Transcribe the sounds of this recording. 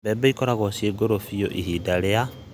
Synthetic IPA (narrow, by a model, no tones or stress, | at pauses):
bɛbaikoɾaɣosieɡoɾofijo̰ʔiɦidaɾea